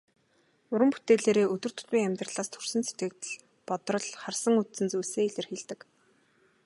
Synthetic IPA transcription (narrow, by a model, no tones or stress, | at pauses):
ʊɾə̆mpu̥t̪eːɮeːɾeːʔɵt̪ɵ̆r̥t̪ʰʊ̥t̪wiːŋæmʲt̪rə̆ɮaːst̪ʰɵrsɘ̆nset̪ɡɘ̆k̚t̪̆ɮ | pɔt̪rɞ̆ɮχarsə̆ŋɵt̪t͡sɘ̆nt͡sujseːiɮɘ̆rxiːɮt̪ɘ̆k